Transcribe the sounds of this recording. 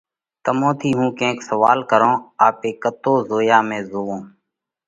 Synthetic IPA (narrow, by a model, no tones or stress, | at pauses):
t̪əmõːt̪ʰiːɦũːkẽːksəʋaːlkəɾõːaːpeːkət̪oːzoːjaːmẽːzoːõː